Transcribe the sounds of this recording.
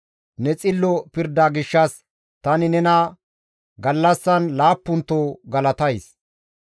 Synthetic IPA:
nɛt͡sʼɪlːɔpɪɾd̪aːɡɪʃːɐs | t̪ɐnɪnɛnɐ | ɡɐlːɐsːɐnlaːpːʊnt̪ːoːɡɐlɐt̪ɐjs

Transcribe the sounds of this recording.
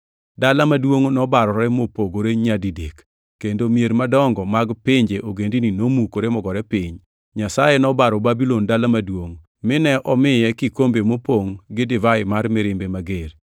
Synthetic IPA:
dalamadwoŋnɔbaɾɔɾɛmopoɡoɾeɲadidek | kːendomijeɾmadɔŋɡɔmaɡpɪɲd͡ʒeʔoɡendininomukoɾemɔɡɔɾɛpɪɲ | ɲasajenɔbaɾɔbabilondalamadwoŋ | mɪnɛʔɔmɪjɛkɪkombemopoŋɡɪdɪvaɪmaɾmɪɾɪmbemaɡeɾ

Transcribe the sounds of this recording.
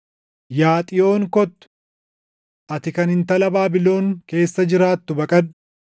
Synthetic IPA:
jaːt̪ʼɪjo̞ːŋkɔt̪ːʊ̥ | ʔɐt̪ɪkɐnɪnt̪ɐlɐbaːbɪlo̞ːŋke̞ːsːɐd͡ʒɪɾaːt̪ːʊbɐkʼɐn

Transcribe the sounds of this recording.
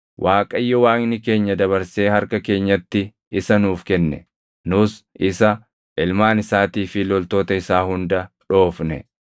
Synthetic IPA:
wʔaːkʼɐjːɔwaːŋnɪke̞ːɲːɐd̪ɐβɐɾse̞ːhɐɾkɐke̞ːɲːɐt̪ːɪ | ɪsɐnuːfkɛnːɛ̰ | nʊsʔɪsɐ | ʔɪlmaːnɪsaːt̪iːfɪlɔlt̪o̞ːt̪ɐɪsaːhʊnd̪ɐ | ᶑo̞ːfnɛ

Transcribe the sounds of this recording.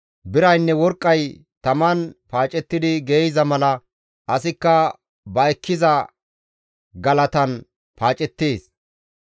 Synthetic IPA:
bɪɾɐjnːɛwɔɾkʼːɐj | t̪ɐmɐnpaːt͡ʃʼɛt̪ːɪd̪ɪɡɛjzɐmɐlɐ | ʔɐsɪkːɐ | bɐɛkʰːɪzɐ | ɡɐlɐt̪ɐn | paːt͡ʃʼɛt̪ːeːs

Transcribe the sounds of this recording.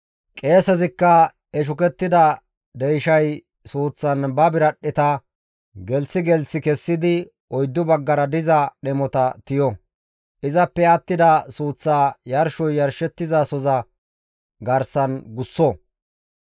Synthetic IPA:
kʼe̞ːsɛzɪkːɐ | ɛʃ̬ʊkɛt̪ːɪd̪ɐ | d̪ɛjʃɐj | suːt͡sːɐnbɐbɪɾɐɗːɪt̪ɐ | ɡɛlt͡sːɪɡɛlsɪkɛsːɪd̪ɪ | ɔjd̪ːʊbɐɡːɐɾɐd̪ɪzɐɗɛmɔt̪ɐt̪ɪjɔ | ʔɪzɐpːɛɐt̪ːɪd̪ɐsuːt͡sːaːjɐɾʃɔjːɐɾʃɛt̪ːɪzasɔzɐ | ɡɐɾsɐnɡʊsːɔ

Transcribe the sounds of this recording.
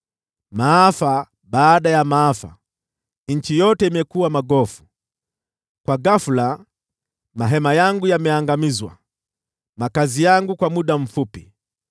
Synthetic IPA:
maafa | ɓaːɗajamaafa̰ | ɲ̩t͡ʃijɔtɛimɛkuwamaɡɔfu̥ | kwaɡafula | maɦɛmajaŋɡujamɛaŋɡamizwa̰ | makazijaŋɡukwamuɗam̩fupi

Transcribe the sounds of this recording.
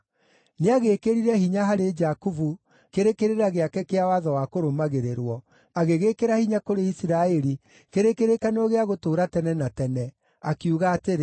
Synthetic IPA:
neaɣekeɾiɾɛhiɲaɦaɾed͡ʒakuvu | keɾekeɾeɾaɣeakɛkeawaðɔwakoɾomaɣeɾeɾwɔ | aɣeɣekeɾahiɲakoɾeisiɾaɛɾi | keɾekeɾekanoɣeaɣotoːɾatɛnɛnatɛnɛ | akiuɣaːteɾe

